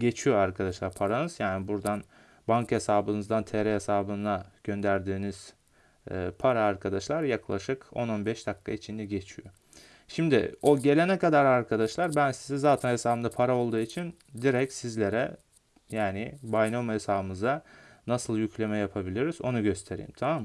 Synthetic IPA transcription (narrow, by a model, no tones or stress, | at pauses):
ɟe̞t͡ʃʰijo̞aɾkʰad̪aʃlˠaɾpʰaɾanɯz̥jaːnibuɾd̪an | baŋkhe̞saːbɯnɯzd̪ant̪ʰeɾɛɦesaːbɯnaɟ̥ø̞nd̪æɾd̪iːniz̥̰ː | pʰaɾaːɾkʰad̪aʃlˠaɾjaklˠaʃɯko̞no̞nbɛʃd̪akːait͡ʃʰind̪ɛɟe̞t͡ʃʰijo̞ | ʃimd̪ɪ̰o̞ɟe̞lʲe̞nɛkad̪aɾaɾkʰad̪aʃlˠaɾbænsizɛzaːt̪ʰænhesaːbɯmnd̪apʰaɾao̞lˠd̪uːit͡ʃʰin | d̪iɾɛcsizlʲe̞ɾɛ | jaːnɪbajnomhesaːbɯnɯzaːasɯlˠjycʲlʲe̞mɛjapʰabilʲiɾiz̥o̞nuɟø̞st̪ʰe̞ɾḭjḭmt̪ʰamaːmː